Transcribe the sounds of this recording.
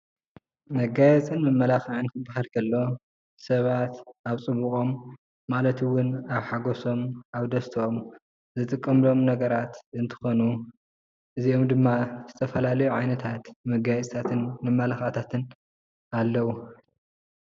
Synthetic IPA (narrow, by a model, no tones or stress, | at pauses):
mɐɡajɛt͡sʼɨnmɨmːɐlaxaʕɨnkʰɨbahɐlkʰɐlːo̞ | sɐβat̪aβt͡sʼɨβuχʼo̞mː | alɐt̪ɨwːʊnaβħaɡoso̞maβd̪ɐst̪ʰɐom | zɨt̪ʼɨkʼːɐmlo̞mnɐɡɐɾat̪ɨnt̪ʰɨ̥xo̞nu | ʔɨziomd̪ɨmːazɨt̪ʰɐfɐlalɐjuʕajnɐt̪ʰat̪mɐɡajɛt͡sʼt̪ʰat̪ʰɨnmɨmːɐlaxat̪ʰat̪ʰɨn | alːɐwu